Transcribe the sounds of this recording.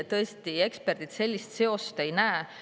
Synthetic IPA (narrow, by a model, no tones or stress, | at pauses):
t̪ɤ̞est̪ie̞kspe̞rd̪̥it̪se̞lʲːist̪se̞o̞st̪e̞jnæe